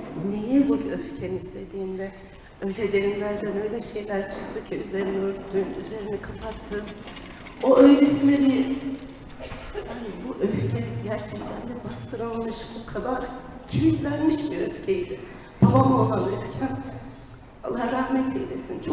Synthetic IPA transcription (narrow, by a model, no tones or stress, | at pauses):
nejɛbuøfcʰenizd̪ʲe̞d̪iːnd̪ɛ | ø̞jlʲɛd̪e̞ɾimlʲæɾd̪ænø̞jlʲɛʃe̞jlʲæɾt͡ʃʰɯ̥kt̪ʰːɯcʰayze̞ɾinøɾt̪yjnyze̞ɾinɛkʰapʰat̪ʰːɯːm | o̞ʔøjɾesinɛbi | hanibuʔøfcʰɛɟæɾt͡ʃʰɛct̪ʰænd̪ɛbast̪ʰɯɾalˠmɯʃbukʰad̪aɾak | cʰibit̪lʲæɾmiʃbiøfcʰejid̪ɪ | bʰabamolanɯɾcʰæn | a̰lˠːaɦaɾahmɛt̪ʰejlʲesint͡ʃʰo